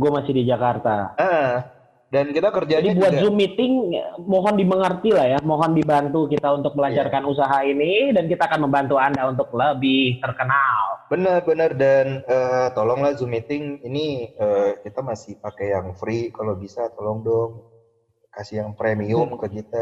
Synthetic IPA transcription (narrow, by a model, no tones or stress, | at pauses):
ɡuamasɪhdid͡ʒakart̪aəə | dankit̪akərd͡ʒadibuat̪zumit̪ɪŋmoɦɔndiməŋərt̪ilahjamoɦɔndibant̪ukit̪aunt̪ʊk̚məlaɲt͡ʃarkanus̬aɦainidankit̪aːkanməmbant̪uandaunt̪ʊk̚ləbɪht̪ərkənalbənərbənərdanət̪ɔlɔŋlahzumit̪ɪŋiniəkit̪amasɪhpakejaŋfɾikalobisat̪olɔŋdɔŋ | kasɪjaŋpɾemiʊmkəkit̪a